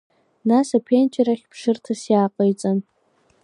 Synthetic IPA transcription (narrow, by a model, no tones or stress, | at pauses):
nasapʰent͡ʃʼɪɾaχʲpʰʂɨrtʰasjaːqʼəjt͡sʼan